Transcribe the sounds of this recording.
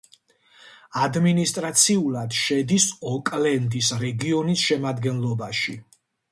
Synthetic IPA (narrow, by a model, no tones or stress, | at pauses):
ad̪minist̪ʼɾat̪sʰiulˠad̪̥ʃɛd̪isɔkʼlɛnd̪isɾɛɡiɔnisʃɛmad̪ɡɛnlˠɔbaʃi